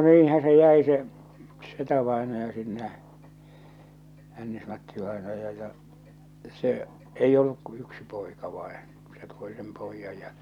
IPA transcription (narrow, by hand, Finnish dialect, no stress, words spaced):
niːn̞hæ se jæi se setæʋɑˑenɑjɑ sinːe hænːismɑtːiʋɑˑenɑjɑ jɑ se eij olːuk ku yksi poikɑ ʋɑin̞ se toi sem poijːɑj jɑ